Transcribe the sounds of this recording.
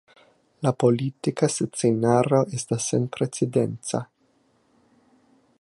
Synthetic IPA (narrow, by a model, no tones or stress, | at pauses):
lapolitikasut͡senaɾoʔest̪asːenpɾet͡sidentt͡sa̰